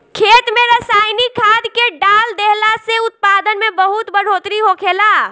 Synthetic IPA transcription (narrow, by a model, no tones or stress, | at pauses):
kʰeːt̪mẽɾəsaːɪnikʰaːd̪keɖaːld̪eɦlaseʊt̪̚paːd̪ənmẽbəɦʊt̪bəɽ̤oːt̪ɾiɦokʰeːlaː